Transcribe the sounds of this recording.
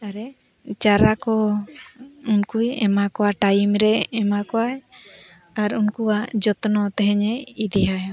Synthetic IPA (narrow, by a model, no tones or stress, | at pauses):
aɾɛ | t͡ʃaɾakɔ | unkujɛmakɔwaʈajmɾɛɛmakɔaj | aɾunkuad͡ʒɔt̪ɔnɔt̪ɛɦɛɲɛid̪ɛɦaj